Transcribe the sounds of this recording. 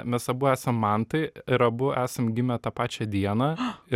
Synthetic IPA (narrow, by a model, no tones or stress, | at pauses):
mʲɛsɐbʊæːsɐmːɑnt̪ɐɪɾɐbʊæːsɐmɡʲɪmʲɛt̪ɑpɑːt͡ʃʲɛd̪ʲiɛnɑː